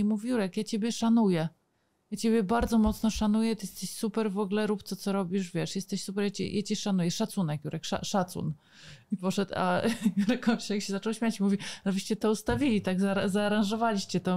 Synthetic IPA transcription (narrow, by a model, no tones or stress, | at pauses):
muvʲjuɾɛkjat͡ɕebʲjɛʂanujɛ | jat͡ɕebʲjɛbaɾd̪zɔmɔt̪snɔʂanujɛt̪jɛst̪ɛɕsupɛɾvɔɡlɛɾupt̪ɔt̪sɔɾɔbʲiʂvʲjɛʂjɛst̪ɛɕsupɛɾjat͡ɕɛ̰jʔat͡ɕɛʂanujɛʂat̪sunɛkjuɾɛkʂa̰ʂat̪sṵn | ipɔʂɛt̪a̰juɾɛkɔmʲt͡ɕɛjakɕɛzat͡ʂɔwɕmʲjat͡ɕimuvʲinaviɕt͡ɕɛt̪ɔust̪avʲilʲit̪aɡzaɾazaːɾãʐɔvalʲiɕt͡ɕɛt̪ɔ